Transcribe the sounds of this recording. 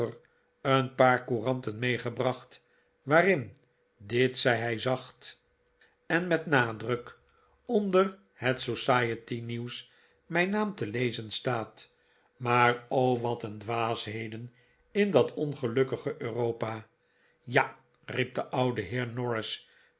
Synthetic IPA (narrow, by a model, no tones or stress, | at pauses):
ər | ənpaːɹkurɑntənmejχəbrɑχt | ʋaːrɪn | dɪtsɛjɦɛjzɑχt | ɛnmɛtnaːdrək | ɔndər | hətsosaːjətiniws | mɛjnaːmtəlejzənstaːt | maːrowʋɑtəndʋaːsɦeɪjdən | ɪndɑtʰɔnχəlɵkəχəʔøːrowpa | ja | rip̚d̪əʔɑwdəɦɪːɹnɔɹɪs